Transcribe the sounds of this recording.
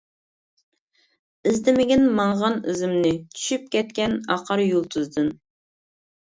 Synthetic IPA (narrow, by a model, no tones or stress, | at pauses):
ɪzd̪ɪmɪɡʲiɪnmɑɴʁɑnɪzɪmnɪt͡ʃ̪ʰy̥ʃyp̚kʲɛt̪̚kʲɛnɑ̰qʰɑɾjulˠt̪ʰɨzd̪ɨn